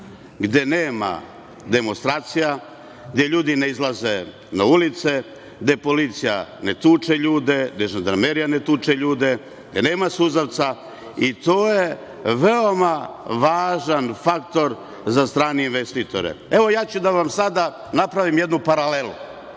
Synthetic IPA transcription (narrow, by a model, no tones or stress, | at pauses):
ɡd̪je̞neːma̰ | d̪e̞monst̪ɾaːt̪sija | ɡ̚d̪ʲjeʎuːd̪ine̞izlˠaze | naulit̪se̞ | ɡd̪e̞po̞lit̪sija̰ne̞t̪uːt͡ʃeʎuːd̪e̞neʒd̪ɾameɾijanet̪uːt͡ʃeʎuːd̪e̞ | ɡd̪eneːmasuzaʋt̪sa | it̪oːje | ʋeomaʋaːʒanfakt̪o̞ɾ | zast̪ɾaːneinʋest̪it̪o̞ɾḛe̞ʋo̞jaːt͡ɕud̪aʋamsad̪a | napɾaʋimje̞d̪nupaɾalelṵ